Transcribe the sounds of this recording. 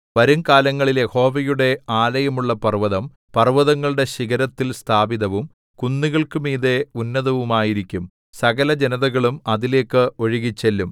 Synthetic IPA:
ʋɐɾuŋkaːlɐŋːɐɭilje̞ho̞ːʋɐjuɽe̞aːlɐjɐmuɭːɐpɐrʋɐðɐm | pɐrʋɐðɐŋːɐɭɨɽe̞ɕiɣɐɾɐt̪ːilst̪ʰaːbiðɐʋum | kunːiɣɐɭkɨmiːðeunːɐðɐʋumaːjiɾikʲːum | sɐɣɐlɐd͡ʑenɐðɐɣɐɭumɐðile̞ːkːɨo̞ɻiɣit͡ɕːelːum

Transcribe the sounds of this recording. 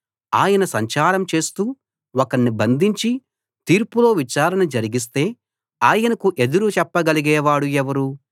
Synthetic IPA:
aːjɐnɐsɐɲt͡ʃaːɾɐmt͡ʃe̞ːst̪uː | ɔkɐɽnibɐnd̪ʱiɲt͡ʃi | t̪iːɾpulo̞ːʋit͡ʃaːɾɐnɐd͡ʒɐɾiɡis̬t̪e̞ː | aːjɐnɐkuʔe̞d̪uɾut͡ʃɛpːɐɡɐliɡɛːʋaːɽuɛʋɐɾu

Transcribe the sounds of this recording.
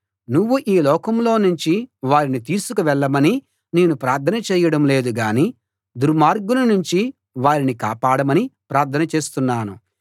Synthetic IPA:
nuʋːuʔiːlɔːkɐmlo̞ːnuɲt͡ʃiʋaːɾinit̪iːsukuʋɛɭːɐmɐni | ne̞ːnupɾaːɾt̪ʰɐnɐt͡ʃɛːjɐɽɐmle̞ːd̪uɡaːni | d̪uɾmaːɾɡunɐnuɲt͡ʃi | ʋaːɾinikaːpaːɽɐmɐnipɾaːɾt̪ʰɐnɐt͡ʃe̞ːst̪unːaːnu

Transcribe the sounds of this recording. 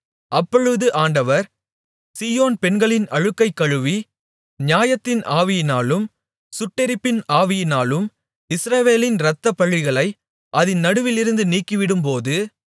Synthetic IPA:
ʔɐpːɔɻɯðɯʔaːɳɖɐʋɐɾ | siːjoːnpɛnɡɐɭɪnɐɻɯkːɐɪkːɐɻɯʋi | ɲjaːjɐt̪ːɪnʔaːʋɪjɪnaːlɯm | sʊʈːɪɾɪpːɪnaːʋɪjɪnaːlɯm | ɪsɾɐʋeːlɪnɾɐt̪ːɐpːɐɭːɪɣɐɭɐɪ | ʔɐðɪnːɐɽɯʋɪlɪɾɯnd̪ɯniːkːiʋɪɽɯmpoːðɯ

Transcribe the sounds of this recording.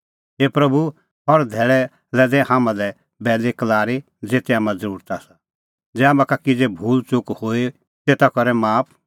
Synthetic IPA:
ɦeːpɾɐbʱu | ɦɔɾd̪ʱɛːɭɛ | lɛd̪ɛhãːmãlɛ | bɛːlekɐlaːɾi | d͡zeːt̪eaːmãzəɾuːɾt̪aːsa | d͡zɛaːmãkakɪd͡zebʱuːlt͡ʃʊkhoːi | t̪eːt̪akɔɾɛmaːpʰ

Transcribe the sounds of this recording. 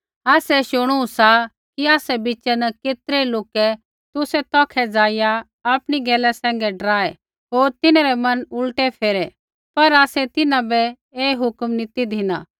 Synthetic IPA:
aːsɛʃʊɽ̃ũsa | kiaːsɛbit͡ʃɛnɐkeːt̪ɾeloːkɛ | t̪ʊsɛt̪ɔ̃ːkʰɛd͡zaːɪja | aːpɽ̃iɡɛːlɛsɛ̃ːŋ̆ɡɛɖɐɾaːɛ | ɦoːɾt̪ɪnaɾɛmɐnʊlʈɛpʰeːɾɛ | pɐɾaːsɛt̪ɪnãbɛ | eːɦʊkmnɪt̪id̪ʱɪna̰

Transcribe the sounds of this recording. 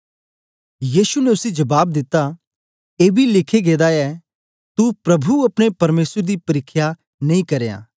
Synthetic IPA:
jiːsunɛʊsid͡ʒɐbaːbd̪ɪt̪ːa | eːbʱilɪkʰeɡeːd̪aɛ | t̪upɾɐbʱuɐpɽ̃epɐɾmeːsəɾd̪ipɐɾɪkʰːja | nɐ̃ĩkɐɾeːa̰ː

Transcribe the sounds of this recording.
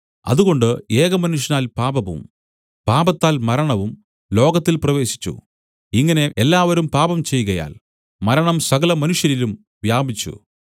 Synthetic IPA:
ɐ̰ðuɣo̞ɳɖɨeːɣɐmɐnuʂjɐnaːlpaːbɐʋṵm | paːbɐt̪ːaːlmɐɾɐɳɐʋum | lo̞ːɡɐt̪ːilprɐʋe̞ːɕi̥t͡ɕːṵ | iŋːɐne̞ʔelːaːʋɐɾumpaːbɐmt͡ɕe̞jːɣɐja̰ːl | mɐɾɐɳɐmsɐɣɐlɐmɐnuʂjɐɾilum | ʋjaːbʱit͡ɕːṵ

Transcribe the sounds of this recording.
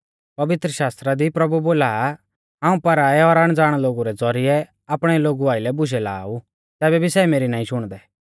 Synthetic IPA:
pɐʋɪt̪ɾəʃaːst̪ɾad̪ipɾɐbuboːlaː | ɦãːũpɐɾaːɛɔɾaɽ̃d͡zaːɽ̃loːɡuɾɛd͡zɔɾɪɛ | aːpɽ̃ɛloːɡuaːɪlɛbʊʃ̬ɛla̰ːu | t̪ɛːbɛbʱisɛːmeːɾinaːĩʃʊɽ̃d̪ɛː

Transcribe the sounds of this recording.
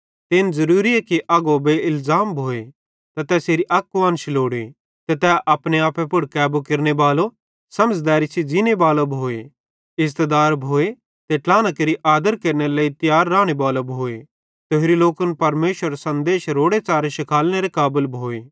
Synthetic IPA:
t̪ɪnzɐɾuːɾiɛkiʔɐɡobeɪlzaːmbʱoːe | t̪ɐt̪ɛːseːɾiʔɐkːʊʋɐ̃ːnʃiloːɽe | t̪ɛt̪ɛʔɐːpɽ̃eaːpʰɛpʊɽkɛːbokɪɾnebaːlo | sɐməd͡ʒd̪aːɾit͡ʃʰid͡ʒinebaːlobʱoːe | ɪzt̪ed̪aːɾbʱoːe | t̪eʈaːñakeɾiʔaːd̪əɾkeɾneɾelaːit̪ɪjaːɾːãːɽ̃ebaːlobʱoːe | t̪eɦeɾiloːkənpɐɾmeːʃəɾsɐ̃nd̪eːʃɾoːɽet͡ʃaːɾeʃɪkʰaːlñeɾekaːbəlbʱoːeː

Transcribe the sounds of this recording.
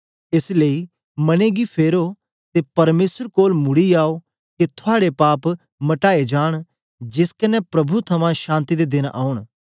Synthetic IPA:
eslei | mɐneɡipʰeːɾo | t̪epɐɾmeːsəɾkoːlmʊɽiaːo | ket̪ʰʊaːɽepaːp | mɐʈaːed͡ʒaːɽ̃ | d͡ʒɪskɐnɛpɾɐbʱut̪ʰɐmãʃãːnt̪id̪ed̪ɪna̰ːʊɽ̃

